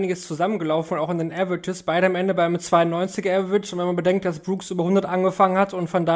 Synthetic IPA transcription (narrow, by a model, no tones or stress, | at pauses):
nɪɡəst͡suzamənɡəlaʊffn̩ʊntaʊxɪndeːnʔɛvətʰɪsb̥aɪɾəamʔɛndəbaɪmt͡sv̥aɪʊnːɔʏnt͡sɪɡɛvvɪt͡ʃʊntv̥ɛnmanbədɛŋkt̚d̥asb̥ʁuːksʔyːbɐhʊndɐtʔanɡəfaŋənhatʊntfɔndaː